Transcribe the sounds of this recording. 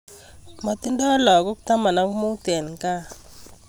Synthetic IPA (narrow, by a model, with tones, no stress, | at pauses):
ma˨ti˦nda˦lɔ˨kɔ˦ku˦ta˦ma˨na˨˦ŋu˦mu˦tɛ˨lŋ˨ka˦